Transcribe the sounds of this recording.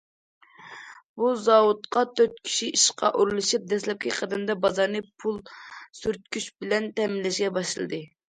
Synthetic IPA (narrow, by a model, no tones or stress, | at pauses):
buzɑwut̪qʰɑt̪ʰøɾt̪̚kʲʰi̥ʃiiʃqʰɑ̰ʔuɾlˠɨʃip̚d̪ɛslɛp̚kʲʰiqʰɑd̪ɨmd̪ɑbɑzɑɾnɨpʰulˠsyɾt̪̚kʲyt͡ʃbɪlɛnt̪ɛmɪlːɛʃɡʲɛbɑʃɨlˠɨ̰d̪ɨ